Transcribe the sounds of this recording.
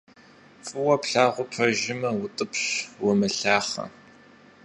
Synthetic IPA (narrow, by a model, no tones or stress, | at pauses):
fʼɨwɐpɬaːʁʷʊpʰɐʒɪmɐwʊtʼɨpɕwʊmɨɬaːχɐ̰